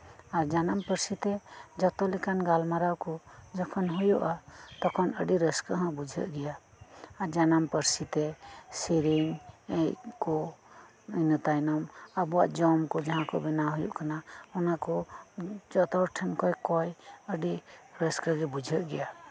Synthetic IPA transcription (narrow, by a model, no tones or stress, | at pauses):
aɾd͡ʒanampəɾsit̪ɛd͡ʒɔt̪ɔlɛkanɡalmaɾawkɔd͡ʒɔkʰɔnɦujuʔat̪ɔkʰɔnəɖiɾəskəɦãbud͡ʒʱə̰ʔɡɛjaː | ɾd͡ʒanampəɾsit̪ɛsiɾiŋɛjkɔ | ənət̪ajnɔmabua̰ʔd͡ʒɔmkɔd͡ʒaɦãkɔbɛnaɦujṵʔkanahɔnakɔ | d͡ʒɔt̪ɔɾʈʰɛnkɔjkɔjəɖiɾəskəɡɛbud͡ʒʱəʔɡɛja